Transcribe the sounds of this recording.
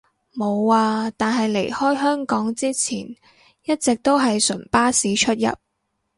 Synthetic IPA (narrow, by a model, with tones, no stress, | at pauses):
mo˨˧waː˧t̪aː˨nɦɐ˨jle˨˩jhɔː˥jɦœː˥ŋkɔː˨˥ŋt͡siː˥t͡sʰiː˨˩n | jɐ˥t̚t͡sɪ˨k̚t̪o˥wɦɐ˨jsɵ˨˩npaː˥siː˨˥t͡ʃʰɵ˥t̚jɐ̰˨p̚